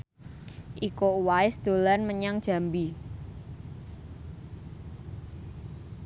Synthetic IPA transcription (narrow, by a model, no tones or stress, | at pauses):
ʔikouwaɪsd̪̥o̤lanməɲaŋd̥ʒ̥a̤mbi